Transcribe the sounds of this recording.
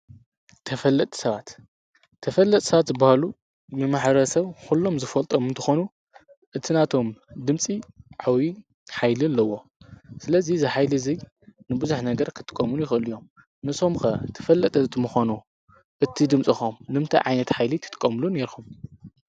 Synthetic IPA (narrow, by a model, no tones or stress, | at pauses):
t̪ʰɐfɐlːɐt̪ʼsɐβat̪ʰː | ɐfɐlːɐt̪ʼsɐβat̪zɨbːahalu | mɨmaħɾɐsɐβkulːo̞mzɨfɐlt̪ʼomɨnt̪ʰɐxo̞nu | ʔɨt̪ʰinat̪ʰo̞md̪ɨmsʼiʕawi | ħajlɨlɐwːo̞ | sɨlɐzizɨħajlizɐj | nɨbɨzuħnɐɡɐɾkʰɨ̥t̪ʰʼɨ̥kʼːɐmunjɪxʔɨlijo̞m | nɨso̞mxɐ̰t̪ʰɐ̥fɐlːɐt̪ʼɐt̪muxanu | ʔɨt̪ʰid̪ɨmt͡sʼixomnɨmt̪ʰɐ̰ʕajnɐt̪ħajlit̪ʰɨt̪ɨ̥kʼːɐmluneɾxum